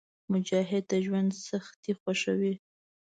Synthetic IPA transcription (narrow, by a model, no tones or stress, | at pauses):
mʊd͡ʒɑɦɪd̪̚t̪aʒwand̪saxt̪ixwaʃə̰wi